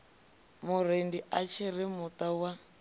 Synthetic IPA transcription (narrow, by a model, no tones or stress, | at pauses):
mʊɾ̤endiʔat͡ʃʰiɾimutawa